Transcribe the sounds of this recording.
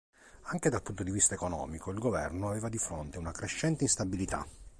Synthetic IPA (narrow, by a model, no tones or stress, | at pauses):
aŋk̟ed̪alpunt̪od̪ivist̪aekonɔ̰ːmikoilɡovɛ̰rnoaveːvad̪ifɾont̪eunakɾeʃːɛnt̪einst̪abilit̪a̰